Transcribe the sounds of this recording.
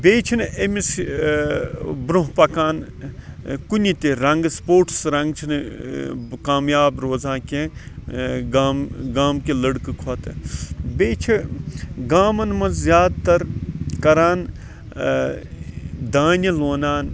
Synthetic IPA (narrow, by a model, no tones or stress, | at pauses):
bʲeːt͡ʃʰinɨemis | bɾuɦpɐkaːn | kunʲit̪iɾɐŋɡɨspoːɾʈsɾɐŋɡt͡ʃʰinɨ | kaːmjaːbɾoːzãːkẽ | ɡaːmɡaːmkelɐɽkɨkʰɐt̪ɨbeːt͡ʃʰiɡaːmɐnmɐnzzjaːd̪t̪ɐɾkɐɾaːn | d̪aːnɐloːnaːn